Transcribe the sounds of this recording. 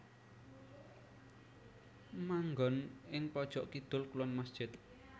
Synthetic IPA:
maŋɡɔnʔɪŋpɔd̥ʒ̥ɔʔkid̪̥ʊ̤lkulɔnmasd̥ʒ̥ɪt̪̚

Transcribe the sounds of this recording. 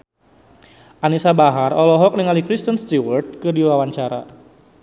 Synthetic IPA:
ʔanisabaɦarɔlɔɦɔk̚niŋalikɾist̪ənst̪iwərd̪̚kɨdiwawaɲt͡ʃaɾa̰

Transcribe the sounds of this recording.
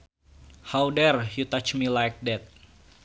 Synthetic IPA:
hawdɛrjut̪at͡ʃmilajk̚dɛt̪̚

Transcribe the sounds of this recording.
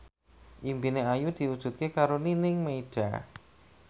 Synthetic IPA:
ʔimbineajud̪̥i̤wud̥ʒ̥ṳt̪̚kekaɾoninɪŋmeid̥a

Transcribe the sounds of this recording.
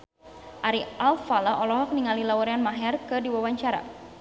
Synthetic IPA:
ʔaɾialfalaʔɔlɔɦɔk̚niŋalilawɔɾɛanmaɦɛrkɨdiwawaɲt͡ʃaɾa̰

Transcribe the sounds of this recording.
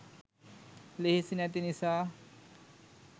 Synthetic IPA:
leɦisinat̪inisa

